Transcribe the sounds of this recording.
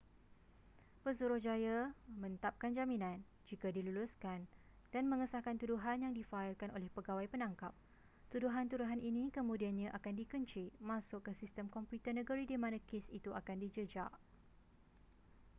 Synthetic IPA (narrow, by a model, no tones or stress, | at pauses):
pəsuɾʊhd͡ʒajamə̃nt̪ap̚kand͡ʒaminãn | d͡ʒikadiluluskan | d̥anmə̃ŋəsahkant̪uduɦanjaŋdifaɪlkanʔolɛhpəɡawajpənãŋkap̚ | t̪uduɦant̪uɾuɦanʔinĩkəmũdianɲãʔakandikəɲt͡ʃiʔmãsʊkːəsist̪əmkɔmput̪ənəɡəɾidimãnãkesit̪uakandid͡ʒəd͡ʒa̰ʔ